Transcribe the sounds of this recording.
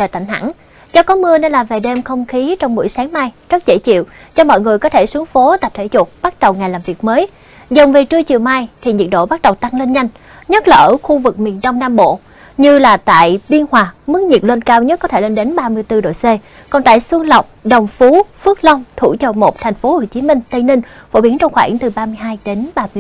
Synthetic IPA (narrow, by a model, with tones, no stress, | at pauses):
ə˧˨˩t̪a˧˩jŋ̟ɦa̰˧˩n | t͡ɕɔ˧kɔ˨˦mɨ˧əne˧nlaː˨˩ve˨˩ɗe˧mxə˧wŋ͡mxi˨˦t͡ɕɔ˧wŋ͡mɓṵ˧˩əjsaː˨˦ŋmaː˧jt͡ɕə˦˥t̚zḛ˧˩t͡ɕḭ˧˨w | t͡ɕɔ˧mɔ̰˧˨jŋɨ˨˩əjkɔ˨˦t̪ʰe˧˩su˨˦əŋfo˨˦t̪a˨˩p̚t̪ʰe˧˩t͡ɕu˨˩t̚ɓa˦˥t̚ɗə˨˩wŋaː˨˩jlaː˨˩mvi˨˩ək̚məː˨˦j | zə˨˩ŋ͡mve˨˩t͡ɕɨ˧ət͡ɕi˨˩əwmaː˧jt̪ʰi˨˩ɲi˨˩t̚ɗo̰˧˨ɓa˦˥ɗə˨˩wt̪a˧ŋle˧nɲa˧jŋ̟ | ɲə˦˥t̚laː˨˩ʔəː˧˩xu˧vɨ˨˩k̚mḭ˧˨˩ənɗə˧wŋ͡mnaː˧mɓo̰˧˨ | ɲɨ˧laː˨˩t̪a̰ː˧˨jɓi˧ənhwaː˨˩mɨ˦˥k̚ɲi˨˩t̚le˧nkaː˧wɲə˦˥t̚kɔ˨˦t̪ʰe˧˩le˧nɗe˨˦nɓaː˧mɨ˧əjt̪ɨ˧ɗo̰˧˨jse˧ | kɔ˨˩nt̪a̰ː˧˨jswə˧nlə˨˩wk͡p̚ɗə˨˩wŋ͡mfu˨˦fɨ˦˥ək̚lə˧wŋ͡mt̪ʰu˧˩t͡ɕə˨˩mo˨˩t̚t̪ʰɛ˨˩jŋ̟fo˨˦ho˧˩t͡ɕi˨˦mï˧ŋ̟t̪ə˧jnï˧ŋ̟fo̰˧˩ɓi˨˦ənt͡ɕɔ˧ŋ͡mxwaː˧˩ŋt̪ɨ˨˩ɓaː˧mɨ˧əjɦaː˧jɗe˨˦nɓaː˧m˧